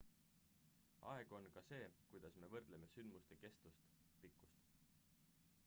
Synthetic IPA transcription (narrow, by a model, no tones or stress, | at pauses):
ʔɑ̰e̞ɡ̥o̞nkɑse̞ːkujd̪̥ɑsme̞vɤrd̪̥leme̞synd̪must̪eke̞st̪ust̪ | pikːˑu̥st̪